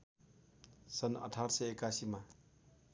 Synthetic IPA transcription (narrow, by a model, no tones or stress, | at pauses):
sʌnʌ̰ʈʰaɽsʌekasima